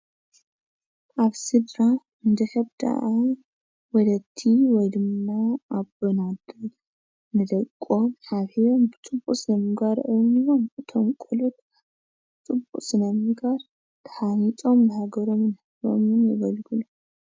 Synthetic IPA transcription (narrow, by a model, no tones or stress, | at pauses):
ʔaβsɨd̪ɾa | ɨnd̪ɐkɐbd̪a̰ʔaj | wɔlɐt̪ʰːiwɔjd̪ɨmːaaβɨnad̪ | nɨd̪ɐkʼːo̞mħaβhijombɨt͡sʼɨbːuʔʼsɨnɐmɨɡaɾʔɨniwomɨt̪ʰomkʼulot̪̚ | t͡sʼɨbuʔʼsɨnɐmɨɡaɾ | t̪ʰɐ̥ħanit̪ʼo̞mnɨhaɡɐɾo̞mnħɨo̰mɨnjɪ̰βɐlɡulu